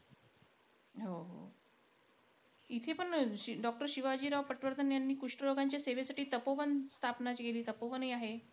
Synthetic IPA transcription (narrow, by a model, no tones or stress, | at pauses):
ɦoɦo̰ | it̪ʰepəɳɖɔk̚ʈəɾɕiʋad͡ʑiːɾaʋpəʈʋəɾd̪ʱənjanːiːkuʂʈəloɡaɲt͡ɕjaseʋesaʈiːt̪əpoʋənst̪ʰapnat͡ɕikeliːt̪əpoʋənɦiːaɦe